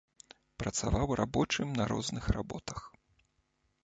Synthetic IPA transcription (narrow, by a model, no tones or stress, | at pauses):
pɾɐt̪savawrʔabɔt͡ʂɨmnɐɾɔ̰znɨxra̰bɔt̪ɐx